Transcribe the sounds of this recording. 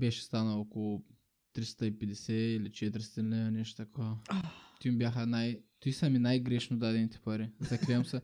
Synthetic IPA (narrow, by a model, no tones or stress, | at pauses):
bɛʃɛ̥st̪anɐokolˠu | t̪ɾist̪ɐipɛd̪ʲɛsʲɛilit͡ʃɛt̪ɾʲst̪inɛnɛʃt̪o̥t̪ɐkʰɔɐt̪imbʲjaxɐnajt̪isɐminajɡɾɛʃnud̪ad̪ɛnit̪ʰɛ̥pɐɾizɐkɾɛɐmsɐ